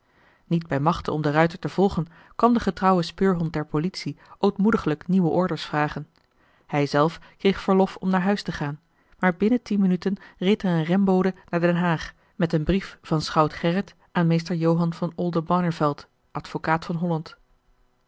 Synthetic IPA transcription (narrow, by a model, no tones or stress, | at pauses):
nid̚bɛjmɑχtənɔ̰mdərœɥtəɹtəv̥ɔlˠχən | kɑndəχətrɑwəspøːɹɦɔnt̚dɛɹpolitsiʔowtmudəχələkniwəʔɔɹdəɹsfraːχən | hɛjzɛlˠfkrejχfəɹlɔfɔmnaːɹɦœɥstəχaːn | maːɹbɪnətinmənytənrejtəɹənrɛmbowdənaːɹdɛnɦaːχ | mɛtənbrifvɑnsχɑwtχɛrət | ʔaːnmejstəɹjowɦɑnvɑnɔlˠdəbɑɹnəvɛlˠt | ʔɑtfokaːtfɑnɦɔlɑnt